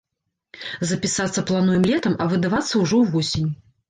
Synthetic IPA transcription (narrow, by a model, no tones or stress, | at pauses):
zɐpʲisat̪sːɐplˠanujɨmlʲɛt̪ɐmɐvɨd̪avat̪sːɐwʐɔwvɔsʲinʲ